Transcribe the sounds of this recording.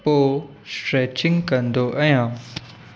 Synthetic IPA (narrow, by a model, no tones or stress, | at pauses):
poː | sʈɾeːt͡ɕɪ̃ŋɡkɐ̃nd̪oʔɐjãː